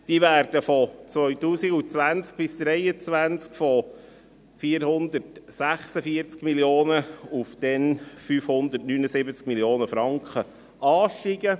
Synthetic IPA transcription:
d̥iːʋæːɾd̥əfɔt͡sʋœʏtuːsiɡut͡sʋænt͡sk̚b̥ɪsd̪̥ɾɛjət͡sʋænt͡skfɔ | fiːəɾhʊnd̪ərtsæχsəfiəɾt͡skmiljoːnəufd̥ɛnfyːfhʊnd̪ətnynəsɪbət͡skmiljoːnəfɾɑŋkχə | ɑːʃtiɡə

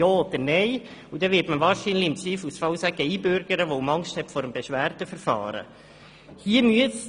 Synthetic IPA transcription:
joːod̪əɾnɛɪ | ud̥̪ɛʋɪtməʋɑːɾʃinlɪɪmt͡siːfusfɑwsæɡəiːbøɾɡ̥əɾəʋowmɑŋʃthɛtfɔɾəmbeʃʋæːɾtəfəɾfɑ̰ːɾə̰ | hiəmyəs

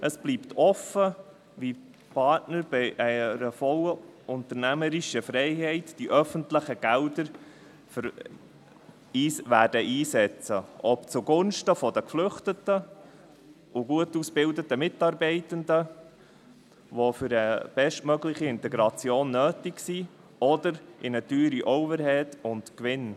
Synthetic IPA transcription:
ʔəsb̥liːpt̪ʰɔfə | ʋi | pʰɑtnəɾb̥iɪʔɛɪɾəfɔləʊnt̪əɾnæməɾiʃəfɾɛɪhɛɪtd̥iʔœfəntləχəɡ̥ældəɾ | f | iʋæːd̥əʔiːsɛt͡səʔɔpt͡suɡʊnʃtəfɔdəkflʏχtətə | ʔʊɡuətusb̥ɪldətəmɪtɑːɾbɛɪtəndə | ʋofʏɾəb̥ɛʃtmœɡlɪχiɪntɛɡɾɑt͡sjoːnːøːtɪksi | ɔdəɾʔɪnətyːɾiʔɔʊbəɾɦɛtʊntkʋɪn

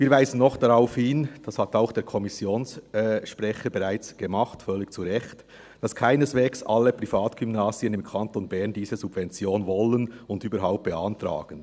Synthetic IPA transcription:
viːɾvaɪzən̩nɔχd̥ɑɾaʊfhɪnd̥ɑshɑtaʊxd̥eːɾkʰɔmɪsjoːnsɛʃpʁɛçəbɛʁaɪt͡sɡ̥emɑχtfœlːɪkt͡suɾɛçt | d̥ɑskʰaɪnəsveːksʔɑ̰lːəpʁ̥ifaːtɡ̥ymnaːziənɪmkʰɑntonbɛʁndiːzəzub̥vɛnt͡sjoːnvɔlənʊndyːbəɾɦaʊp̚t̚b̥ɛɑntɾa̰ːɡ̥ən

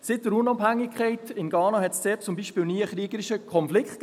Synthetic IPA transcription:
sɪt̚d̥əɾʊnɑbhæŋːɪkʰχɛɪtɪnɡɑːnɑɦɛtst͡seːt͡sʊmbiːʃpɪːlniːəχɾiəɡəɾiʃəkʰɔnflɪkχtk

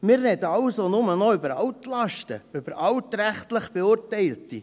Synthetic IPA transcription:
mɪːrːɛdəɑlsonʊmənɔʏbəɾɑwtlɑʃtə̰ʏb̥əɾʔɑwtɾæχtləχb̥eʊɾtɛɪlti

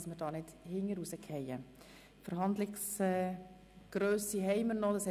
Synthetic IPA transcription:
sməɾd̥ɑːnɪd̥hɪŋːəɾusəkʰhɛjə | fəɾɦɑnd̪lɪksɛ | ɡ̥ɾøːsiɦɛɪməɾnɔd̥̪ɑsɛ

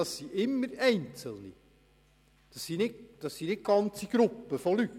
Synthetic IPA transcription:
ɑssiʔɪmːəɾɛɪnt͡səlˠnḭ | d̥ɑsːinɪtd̥ɑsːinɪt̚ɡ̥ɑnt͡siɡ̥ɾʊpːəfolyt

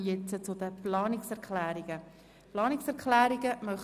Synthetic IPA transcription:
jɛt͡sət͡sʊd̪əplɑːnɪksɛʁklæːɾiɡ̥ə | plɑːnɪksɛʁkʰlæːɾiɡəmœχ

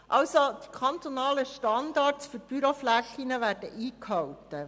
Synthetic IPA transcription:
ʔɑwsod̥i̥kʰɑnt̪onɑːləʃtɑndɑrtsfyɾb̥yɾoflæxinəʋæːrd̥ə̰ʔiːkhɑwtə

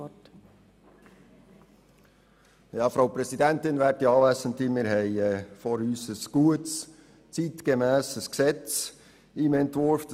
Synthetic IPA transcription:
t | jɑːfɾɑʊpɾɛsidɛntɪnvæːtiɑːvæsənt̪imɪːɾɦɛɪɛːfɔɾyːsəsɡ̥uəts | t͡sit̪ɡəmɛːsəsksɛt͡s | iːmɛntvʊɾfd̥

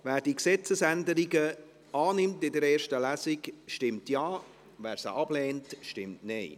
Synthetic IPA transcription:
vɛːdiksɛt͡səsændəɾiɡə | ɑːnɪmtɪdəɾɛːɹʃtəlæsɪkʃtɪmtjɑː | vɛːɾsə̰ʔɑb̥leːntʃtɪmtneɪ

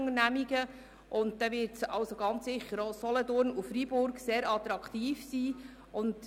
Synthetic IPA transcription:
ŋənæmiɡə | ʔʊnt̚d̥ɛʋɪɾtsɑʊsoɡɑnt͡ssɪχəɾosɔlɔdʊɾnufɾibʊɾkseːɾɑt̪ɾɑkʰtiːfsiː | ʔʊnd

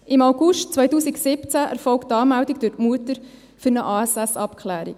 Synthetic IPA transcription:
ɪmaʊɡʊʃtt͡sʋœjtuːsiksɪpt͡sæʔɛ̰ɾfɔlktːɑːmæwdikd̥ʉtmuətəɾ | fʏɾnəʔɑːɛsɛsɑpkʰχlæːɾḭk

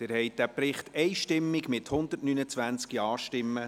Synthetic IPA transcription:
ɪɾhɛɪt̚d̥æpɾɪχtɛɪʃtɪmːɪɡmɪthʊnd̪ərtnynət͡sʋænt͡skiɑːʃtɪmːə

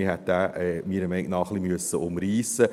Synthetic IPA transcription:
ihɛt̪̚dæːmiːɾəmɛɪknɑχlimyəsːəʊmɾiːsə

